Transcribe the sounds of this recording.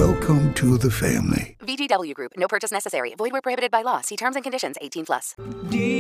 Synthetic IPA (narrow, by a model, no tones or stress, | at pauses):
ɛlˠkʰə̃mtʰɨðɨfæ̰̃mlḭvid͡ʒidʌbl̩ˠjʉɡɹʉpnoʊpɜ˞t͡ʃɨsnɛsɨsɛ̰ɹḭvɔɪd̚wə˞pʰɹ̥ohɪbɨɾɨd̚baɪlɔsiːtʰɜ̃˞mzɨ̃nkɨ̃ndɪʃɨ̃nzeɪtʰĩnpʰlʌ̰sd